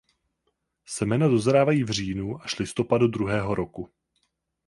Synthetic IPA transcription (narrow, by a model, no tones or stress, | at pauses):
sɛmɛnado̞zɾaːvajiːvr̝iːnuʔaʃlɪst̪o̞padud̪ɾuɦɛːɦo̞ɾo̞ku